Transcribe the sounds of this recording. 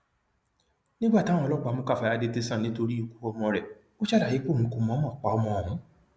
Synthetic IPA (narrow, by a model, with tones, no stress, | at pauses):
nĩ˦ɡ͡ba˦˨tã˨˦ɔ̃˧˨lɔ˦˨k͡pa˨˧mũ˧ka˦˨fa˨˧ja˦de˧˦te˧sã˦˨nĩ˨˦to˧ɾi˦o˦˧ku̥˦ɔ˧mɔ̃˧ɾɛ˨ | o˦ʃa˦˨da˨je˨˦k͡po˦˨ũ˨˦ku˧˨mɔ̃˦mɔ̃˦˨k͡pa˨ɔ˧mɔ̃˧˨ũ˨˦